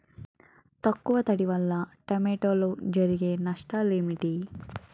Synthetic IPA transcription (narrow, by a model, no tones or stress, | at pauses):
t̪ɐkːuʋɐt̪ɐɽiʋɐlːɐʈemeːʈoːlod͡ʒɐɾiɡenɐʂʈɐlimiʈi